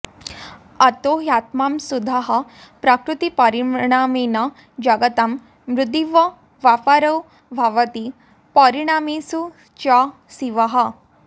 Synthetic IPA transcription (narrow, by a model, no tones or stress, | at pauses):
ɐt̪oɦjat̪mamsud̪ʱaɦəpɾakɾut̪ipɐɾiɳ̃amena | d͡ʑɐɡət̪amː | ɾud̪iʋɐ | ʋafaɾəw | bʱaʋət̪i | pəɾiɽ̃amesu | t͡ɕa | siʋaɦɐ